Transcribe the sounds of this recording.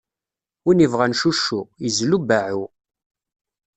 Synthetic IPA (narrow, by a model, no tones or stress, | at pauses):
inivʁanʃuʃːuizlubaʕu